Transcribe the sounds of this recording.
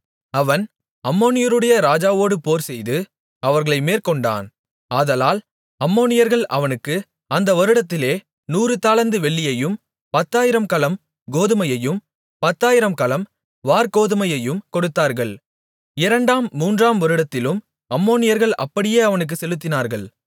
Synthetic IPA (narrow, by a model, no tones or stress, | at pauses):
ɐʋɐn | ɐmːoːnɪjɐɾɯɽɐjɐɾaːd͡ʒaːʋoːɽɯpoːɾsɛjðɯ | ɐʋɐɾɣɐɭɐɪmeːɾkɔɳɖa̰ːn | aːðɐlaːl | ɐmːoːnɪjɐɾɣɐɭʔɐʋɐnɯkːɯ | ɐnd̪ɐʋɔɾɯɽɐt̪ːɪleː | nuːɾɯt̪aːlɐnd̪ɯʋɛɭːɪjɐjɯm | pɐt̪ːaːjɪɾɐmkɐlɐm | ɡoːðɯmɐjɐjɯm | pɐt̪ːaːjɪɾɐmkɐlɐm | ʋaːɾkoːðɯmɐjɐjɯmkɔɽɯt̪ːaːɾɣɐɭ | ɪɾɐɳɖaːmːuːndraːmʋɔɾɯɽɐt̪ːɪlɯm | ɐmːoːnɪjɐɾɣɐɭʔɐ̰pːɐɽɪjeːɐʋɐnɯk̬ːɯsɛlɯt̪ːɪnaːɾɣɐɭ